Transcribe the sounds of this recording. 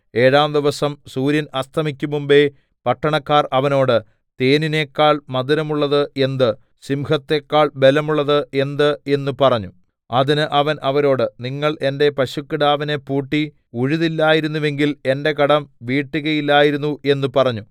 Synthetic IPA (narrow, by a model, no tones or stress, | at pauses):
e̞ːɻaːmd̪iʋɐsɐmsuːɾjɐnɐst̪ʰɐmikʲːumumbe̞ | pɐʈːɐɳɐkːaːrɐʋɐno̞ːɽɨ | t̪eːnine̞ːkːaːɭmɐðuɾɐmuɭːɐðɨe̞nd̪ɨ | simhɐt̪ːe̞ːkːaːɭbe̞lɐmuɭːɐðɨe̞nd̪ɨe̞nːupɐrɐɲːu | ɐðinɨʔɐʋɐnʔɐʋɐɾo̞ːɽɨniŋːɐɭʔe̞nde̞pɐɕukːiɽaːʋine̞pːuːʈːi | uɻuðilːaːjiɾunːuʋe̞ŋɡile̞nde̞kɐɽɐmʋiːʈːuɣɐjilːaːjiɾunːuʔe̞nːupɐrɐɲːu